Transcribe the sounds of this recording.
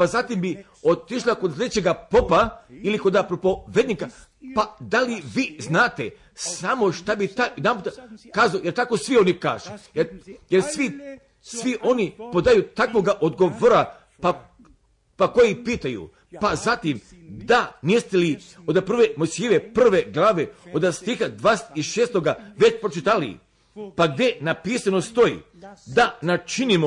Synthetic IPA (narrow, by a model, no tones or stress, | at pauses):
pazat̪imbi | o̞t̪iʃlakoslʲed̪et͡ɕeɡapopailiko̞d̪apɾopo̞ʋed̪nika | pad̪aliʋiːznaːt̪e | samo̞ʃt̪abit̪anamot̪kaːzaojeɾt̪ako̞sʋio̞nikaːʒujejeɾsʋi | sʋiʔo̞nipo̞d̪ajut̪akʋo̞ɡaʔod̪ɡoʋoɾa | pa | pakojipiːt̪ajṵ | pazat̪im | d̪aniest̪eli | od̪apr̩ʋemosjiʋepr̩ʋeɡlˠaːʋeod̪ast̪ixad̪ʋasiʃeːst̪oɡaʋet͡ɕpɾot͡ʃit̪alḭ | paɡd̪je̞napiːsanost̪o̞ḭ | d̪anat͡ʃinimo